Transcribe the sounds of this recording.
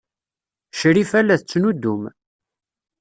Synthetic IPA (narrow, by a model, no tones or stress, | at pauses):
ʃɾifælːæθt͡sːnud̪ːum